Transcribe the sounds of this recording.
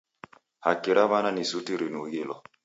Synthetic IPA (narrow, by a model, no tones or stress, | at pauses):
hakiɾaβananisutiɾinuɡilɔ